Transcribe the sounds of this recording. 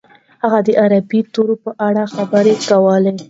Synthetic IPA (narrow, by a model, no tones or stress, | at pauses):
haɣad̪əʔaɾabit̪oɾopəʔaɽaxabəɾekawəle